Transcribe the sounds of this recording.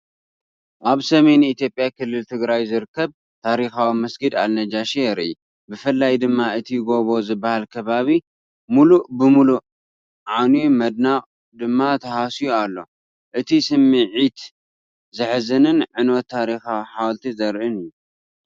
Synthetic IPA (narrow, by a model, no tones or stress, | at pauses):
ʔaβsɐme̞jnit̪jo̞pʼjakɨlːɨlt̪ʰɨɡɾajzɨɾɨkʰːɐβ | t̪ʰaɾixawimɐsɡɨd̪a̰lnɐd͡ʒaʃejɛɾḭi | bɨfɨlːajd̪ɨmːaɨt̪ʰijɡo̞βo̞zɨbːahalkʰɐβaβi | mulubɨmulu | ʕanimɐd̪̚naqʼ | d̪ɨmːat̪ʰɐhasijualːo̞̰ | ʔɨt̪ʰisɨmːɨʕit̪ | zɨħzɨnɨnʕɨnot̪ʰːaɾixawiħawlt̪ʰizɐɾʔɨnɨjːu